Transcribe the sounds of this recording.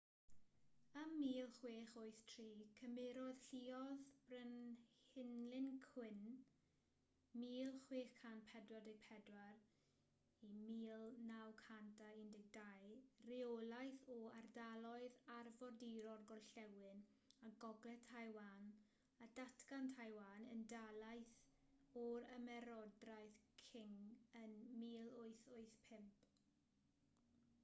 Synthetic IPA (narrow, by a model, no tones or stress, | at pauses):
əmːiːlˠχweːχoɨθtʰriːkʰəmɪɾɔð̥ɬiːɔðb̥rənhɪnlɪnkʰw̥ɪn | miːlˠχweːχkʰanpʰɛdwadɪɡ̚pʰɛdwar | imiːlˠnawkʰantʰaindɪɡ̚dajriolˠajθɔardalˠɔɨðarvɔdiɾɔrɡɔlɬɛwɨn | aɡɔɡlɛtʰajwan | ad̥atʰɡantʰajwaːnəndalˠajθ | ɔɾəmɛɾɔdrajθkʰɪŋənmiːlˠʊɨθʊɨθpʰɪmpʰ